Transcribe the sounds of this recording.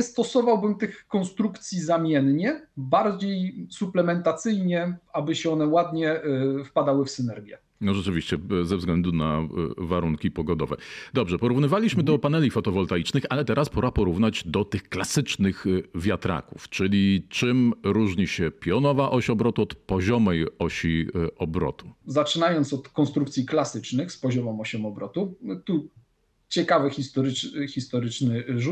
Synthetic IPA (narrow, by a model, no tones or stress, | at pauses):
st̪ɔsɔvawbɘmt̪ɘxkːɔnst̪ɾukt̪sʲjizamʲjɛnɲɛbaɾd͡ʑejsuplɛmɛnt̪at̪sɘjɲɛabɘɕɛɔnɛwad̪ɲɛfpad̪awɘfsɘnɛɾɡʲjɛ | nɔʐɛt͡ʂɘvʲiɕt͡ɕɛzɛvzɡlɛnd̪una̰vaɾuŋkʲipɔɡɔd̪ɔvɛ̰d̪ɔbʐɛpɔɾuvnɘvalʲiɕmɘd̪ɔpanɛlʲifɔt̪ɔvɔlt̪ait͡ʂnɘxalɛt̪ɛɾʔaspɔɾapɔɾuvnad͡ʑd̪ɔt̪ɘxklasɘt͡ʂnɘxvʲjat̪ɾa̰kuft͡ʂɘlʲit͡ʂɘmɾuʐɲiɕɛpʲjɔnɔvaʔɔɕɔbɾɔt̪uɔt̪pɔʑɔmɛjɔɕiɔbɾɔ̰t̪uzat͡ʂɘnajɔnt̪sɔt̪kɔnst̪ɾukt̪sʲiklasɘt͡ʂnɘxspɔʑɔmɔmɔɕɔmɔbɾɔt̪ut̪u | t͡ɕɛkavɘxʲist̪ɔɾxʲist̪ɔɾɘt͡ʂnɘʐu